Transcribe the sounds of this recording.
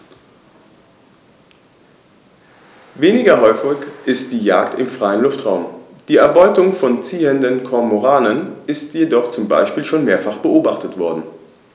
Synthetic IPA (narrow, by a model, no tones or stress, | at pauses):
veːnɪɡɐɦɔʏfɪkʔɪst̚d̥iːjaːktɪmfʁ̥aɪənlʊftʁ̥aʊm | d̥iːɛɐbɔʏtʊŋfɔnt͡siːəndənkʰɔɐmoʁaːnənɪstʰjedɔχt͡sʊmba̰ɪʃpiːlʃoːnmeːɐfaχb̥əʔoːbaχtətv̥ɔɐdn̩